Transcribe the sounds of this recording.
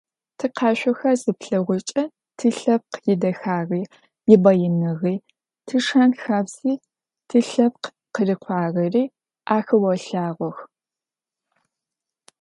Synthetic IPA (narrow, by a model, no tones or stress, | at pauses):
tʰɨqɑːʃʷɔxɐzɨpɬɐʁʷʊt͡ʃʼɐ | tʰɨɬɐp̚qjɪdɐxaːriː | jɪbɐjɪnɨʁiː | tʰɨʂɐnxaːbz̥iː | tʰɨɬɐp̚q | qərɨqʷʰɑːʁɐriː | ʔaːxɐwɐɬaːʁʷɔx